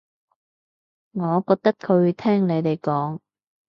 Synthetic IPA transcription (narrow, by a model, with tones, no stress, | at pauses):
ŋɔː˨˧kɔː˧k̚t̪ɐ˥k̚kʰɵ˨˧ɥt̪ʰɛː˥ŋne˨˧jt̪e˨jkɔː˨˥ŋ